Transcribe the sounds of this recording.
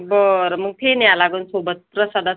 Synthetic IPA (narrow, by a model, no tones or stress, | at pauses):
bəɾməɡ̚t̪ʰenjalaɡənsobət̪̚pɾəsad̪ʱa